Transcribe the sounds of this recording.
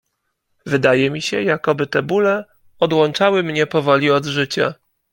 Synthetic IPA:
vɘd̪ajɛmʲiɕɛjakɔbɘt̪ɛbulɛ | ɔd̪wɔnt͡ʂawɘmɲɛpɔvɔlʲiɔd̪ʐɘt͡ɕa̰

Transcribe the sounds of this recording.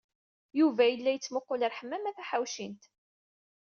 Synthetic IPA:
juvæjəlːæjət͡sːmʊqːʊləɾħəmːæmæθæħawʃint̪

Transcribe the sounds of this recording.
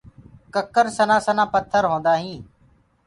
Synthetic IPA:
kəkəɾsənãːsənãːpət̪ʰːəɾɦõːnd̪aːɦĩː

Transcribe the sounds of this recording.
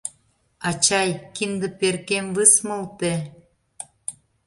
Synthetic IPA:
ɑt͡ɕɑjkind̪ə̆perkemβɨsməlt̪e

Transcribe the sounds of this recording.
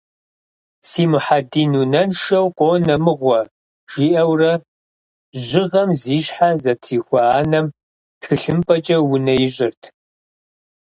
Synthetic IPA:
siːmɨħadiːnuːnɐnʃɐwqʷʼonɐmɨʁʷɔ | ʒ̥iːʔɐwrɐ | ʑɪʁɐmziːɕħazɐtʰiːxʷɐaːnɐm | txɨɬɨmpʼɐt͡ʃʼɐwʊnɐjɪʑʼɪrtʰ

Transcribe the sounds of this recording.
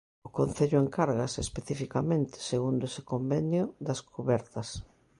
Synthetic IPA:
ʊkon̟θeʎʊeŋkaɾɣasespeθifikamẽnt̪ɪ̥seɣund̪ʊese̥kombenjʊðɐskʰuβɛɾt̪ɐs

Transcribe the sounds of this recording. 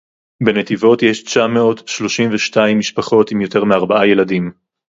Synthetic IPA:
be̞netivo̞tjeʃt͡ʃameo̞tʃlo̞ʃimveʃtaimːiʃpaχo̞timjo̞te̞ʁmeaʁbaaje̞ladim

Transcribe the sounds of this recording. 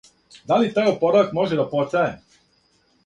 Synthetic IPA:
d̪alit̪aːjopoɾaʋakmo̞ʒed̪apo̞saje

